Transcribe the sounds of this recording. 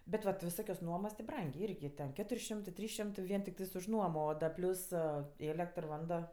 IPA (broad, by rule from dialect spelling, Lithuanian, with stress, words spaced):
bʲɛt ˈʋɐ tʲɪ ʋʲɪˈsoːkʲoːs ˈnuɔmoːs tʲɪ ˈbrɐŋʲɡʲeː ˈɪrʲɡʲɪ tʲɛn ˈkʲæːtʊrʲ ˈʃʲɪmtɜ ˈtʲrʲiːs ˈʃʲɪmtɜ ˈʋʲiɛn tʲɪkˈtɜs ʊʃ ˈnuɔmoː oː ˈdɐ ˈpʲlʲʊs ˈeːlʲɛktr ˈʋɐndoː